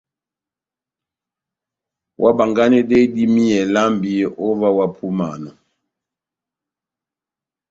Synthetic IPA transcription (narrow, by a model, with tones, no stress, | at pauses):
wʔa˦ba˨ŋɡa˦nɛ˦dɛ˦di˦mi˦ɛ˨la˦mbi˦ɔ˦va˦wa˦pʰu˦ma˨nɔ˨